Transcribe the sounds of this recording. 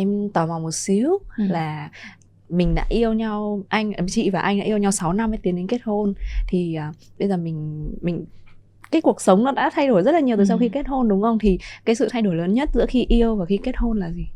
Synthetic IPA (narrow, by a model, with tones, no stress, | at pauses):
ʔɛ˧mt̪əː˨˩ma˨˩wmo˨˩t̚si˨˦əwlaː˨˩ | mï˨˩ŋ̟ɗa̰ː˧˥ʔi˧əwɲa˧wʔa˧jŋ̟˨˩t͡ɕḭ˧˨vaː˨˩ʔa˧jŋɗa̰ː˧˥ʔi˧ə˧wɲa˧wsa˨˦wna˧mː˧˨˦t̪i˨˦ənɗe˧ŋke˦˥t̚ho˧nt̪ʰi˨˩ʔəː˨˩ɓə˧jzəː˨˩mï˨˩ŋ̟mï˨˩ŋ̟ | kaː˨˦jku˨˩ək̚sə˨˦wŋ͡mnɔ˨˦ɗa̰ː˧˥t̪ʰa˧jɗo˧˩jzə˦˥t̚la˨ɲ˨˩wt̪oː˨˩s̬a˧wxi˧ke˦˥t̚ho˧nɗʊ˨˦ŋ͡mxə˧wŋ͡mt̪ʰi˨˩kaː˨˦jsɨ̰˧˨t̪ʰa˧jɗo˧˩jləː˨˦nɲə˦˥t̚zɨ̰˧˥xi˧ʔi˧əwvaː˨˩xi˧ke˦˥t̚ho˧nlaː˨˩zi˨˩